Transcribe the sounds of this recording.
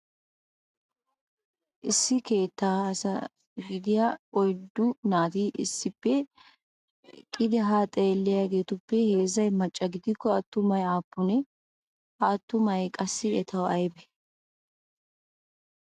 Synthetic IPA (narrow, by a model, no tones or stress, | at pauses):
ʔɪsːɪke̞ːt̪ːaːsɐ | ɡɪd̪ɪjaɔjd̪ʊnaːt̪iːʔɪ̰sːɪpːɛ | kʼɪd̪ɛɦaːt̪ʼeːlːɪjɐɡe̞ːt̪ʊpːɛhe̞ːzɐjmɐt͡ʃʼːɐɡɪd̪ɪkːɔɐt̪ːʊmɐjaːpːʊnɛ | ʔat̪ːʊmɐjkʼɐsːɪɛt̪ʰɐwɐjbɛ